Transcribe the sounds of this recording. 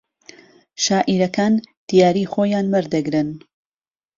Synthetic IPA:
ʃaːʔiɾɐkaːnd̪̥ijaːɾiːχoːjaːnmɐɾd̪ɐɡɾɨn

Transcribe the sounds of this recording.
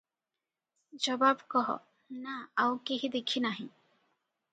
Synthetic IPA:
d͡ʒɔbabkɔɦɔ̰ | naawkiɦid̪ekʰinaɦĩ

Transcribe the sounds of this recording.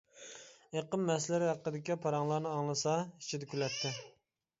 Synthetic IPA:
eqəmːɛslɪɾɪhæqːəd̪ɪkʲipʰɑɾɑŋlˠɑɾnɨɑŋlˠɨsɑi̥t͡ʃʰid̪ɛkʲylɛt̪ʰːɪ

